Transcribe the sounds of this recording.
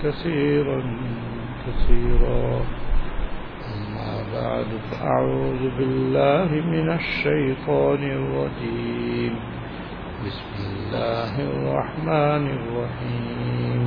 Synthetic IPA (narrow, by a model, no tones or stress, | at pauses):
kaθiːɾan | kaθiːɾaː | ʔamːa̰ːba̰ʕd̪faʔa̰ʕuːðbɪlːaːhɪmɪnaʃːajt̪ˤɑːnɪrˤːɑd͡ʒiːm | bɪsmɪlːaːɦɑrˤːɑ̰ħmaːnɪrˤːɑħiːm